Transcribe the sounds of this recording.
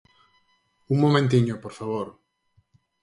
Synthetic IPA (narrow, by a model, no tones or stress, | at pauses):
uŋmomẽnt̪iɲopoɾfaβoɾ